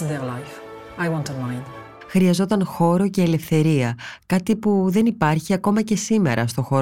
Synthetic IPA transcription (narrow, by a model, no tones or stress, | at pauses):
nðɛlajf | ajwɔ̃ntəmãj̃nd | xɾiɐzo̞t̪ɐnxo̞ɾo̞ce̞ːle̞fθe̞ɾiɐkɐt̪ipuðe̞nipɐɾçiɐko̞mɐce̞sime̞̰ɾɐst̪o̞xo̞